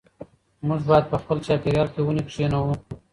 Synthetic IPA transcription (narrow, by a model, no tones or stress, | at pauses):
mʊʐbɑjad̪̚pəxpəlt͡ʃɑpiɾjɑlkewunipʂenawu